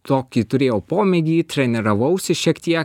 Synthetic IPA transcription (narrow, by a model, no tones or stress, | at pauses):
t̪oːkʲiːt̪ʊɾʲeːjɛʊpoːmʲɛɡʲiːt̪ʲɾʲɛnʲɛɾɐʋɐʊsʲɪʃʲiɛkt̪ʲiɛk